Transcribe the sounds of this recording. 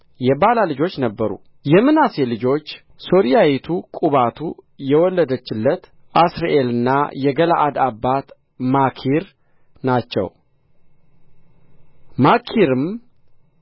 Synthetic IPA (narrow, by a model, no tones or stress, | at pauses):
jɛbalalɨd͡ʒo̞t͡ʃːnəbːəɾṵ | jɛmːɨnaselɨd͡ʒo̞t͡ʃː | so̞ɾijajit̪ʰukʼuβat̪ʰujɛwɔlːəd̪ət͡ʃːɪlːət̪ | ʔasɾaʔelɨnːa̰jɛɡəlaʔad̪abːat̪ | makʰiɾ | nat͡ʃːɛ̰w | makʰiɾɨm